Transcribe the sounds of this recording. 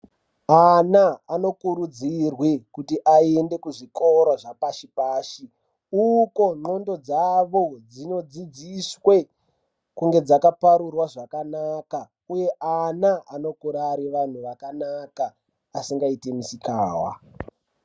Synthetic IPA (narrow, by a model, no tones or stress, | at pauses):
anaːno̞kuɾud͡zirwekutiʔaende̞kuʐikoɾaʐapaʃipaːʃi | uko̞ŋ͡ǃo̞ndo̞d͡zaʋo̞d͡zino̞d͡zid͡ziswe̞ | kuŋɡe̞d͡zakapaɾurwaʐakanaka | uje̞ʔanaano̞kuɾaɾiʋan̤uʋakanakaː | siŋɡaitemisikaːwa̰